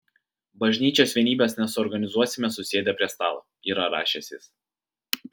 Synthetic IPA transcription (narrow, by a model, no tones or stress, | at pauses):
bɐʒʲnʲiːt͡ʃʲoːsʋʲiɛnʲiːbʲesnʲɛsʊɔɾɡɐnʲɪzuɔsʲɪmʲɛsʊsʲeːd̪ʲɛpʲɾʲiɛst̪ɑːlˠoː | iːɾɐɾɑ̰ːʃʲɛsʲɪs